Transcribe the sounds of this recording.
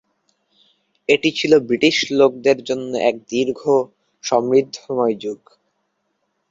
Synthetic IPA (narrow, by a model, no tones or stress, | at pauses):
eʈit͡ɕʰilobɾiʈiʃlok̚d̪eɾd͡ʑonːoʔɛk̚d̪iɾɡʱo | ʃɔmɾid̪ʱːomɔjd͡ʑuɡ